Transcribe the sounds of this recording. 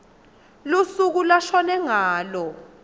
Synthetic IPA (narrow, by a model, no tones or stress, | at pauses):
lusuk̬ulaʃɔnɛŋaːlɔ